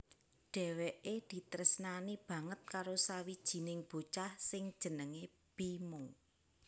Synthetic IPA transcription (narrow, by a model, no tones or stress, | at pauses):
ɖ̥ɛ̤weʔed̪̥i̤t̪ɾəsnanib̥ä̤ŋət̪̚kaɾosawid̥ʒ̥i̤nɪŋb̥o̤t͡ʃahsɪŋd̥ʒ̥ə̤nəŋe | b̥imʊŋ